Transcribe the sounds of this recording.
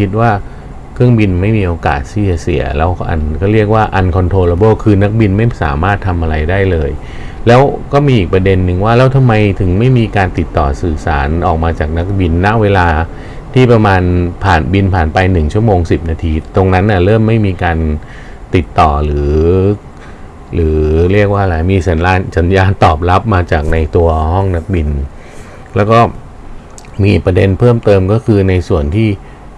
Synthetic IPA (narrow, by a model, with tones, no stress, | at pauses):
kʰi˦˥t̪̚waː˥˩ | kʰɾɯ˥˩əŋbi˧nma˥˩jmiː˧ʔoː˧ka̰ː˨˩t̪̚siː˥˩a˩sḭ˩˦ɐlɛ̰ː˦˥wʔa̰˧nkʰɔː˥˩ɾi˥˩ək̚waː˥˩ʔa˧nkʰɔ˧nt̪ʰoː˧laː˧boː˥˩kʰɯː˧na˦˥k̚bi˧nma˥˩jsa̰ː˩˦maː˥˩t̪ʰːa˧mʔa˧ɾa˧jdaː˥˩jlɤː˧j | lɛː˦˥wkɔː˥˩miː˧ʔiː˨˩k̚pɾa˧de˧nːɯ˨˧ŋwaː˥˩lɛː˦˥wt̪ʰa˧mːa˧jt̪ʰɯ˨˩˦ŋma˥˩jmiː˧kaː˧nt̪i˨˩t̪ːɔː˨˩sɯː˨˩sa̰ː˩˦nʔɔː˨˩k̚maː˧t͡ɕaː˨˩k̚na˦˥k̚bi˧nːa˦˥ʔweː˧laː˧ | t̪ʰiː˥˩pɾa˧maː˧npʰaː˨˩nbi˧npʰaː˨˩npa˧jnɯ˨˩ŋt͡ɕʰu˥˩əmoː˧ŋsi˨˩p̚naː˧t̪ʰiː˧˩t̪o˧ŋna˦˥nʔa˧˩ɾɤː˥˩mːa˥˩jmiː˧kaː˧n | t̪i˨˩t̪ːɔː˨˩ɾɯː˩˦ | lɯː˩˦ɾi˥˩ək̚waː˥˩la˨˩miː˧sa˩˦nlaː˧nsa˩˦njaː˧nt̪ɔː˨˩p̚la˦˥p̚maː˧t͡ɕaː˨˩k̚na˧jt̪u˧ɐhɔ˥˩ŋna˦˥k̚bi˧n | lɛː˦˥wkɔː˥˩ | miː˧pɾa˧de˧npʰɤː˥˩mt̪ɤː˧mkɔː˥˩kʰɯː˧na˧jsu˨˩ənt̪ʰiː˥˩